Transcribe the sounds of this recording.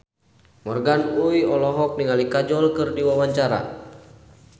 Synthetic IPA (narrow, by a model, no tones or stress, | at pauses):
mɔrɡanujɔlɔɦɔk̚niŋalikad͡ʒɔlkɨrdiwawaɲt͡ʃaɾa̰